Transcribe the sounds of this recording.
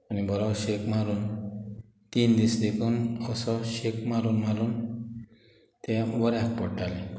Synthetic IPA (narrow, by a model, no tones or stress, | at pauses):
anibɔɾɔʃekmaɾun | t̪ind̪isd̪ekʰunɔsɔʃekmaɾunmalun | t̪ɛbɔɾeak̚pɔʈːali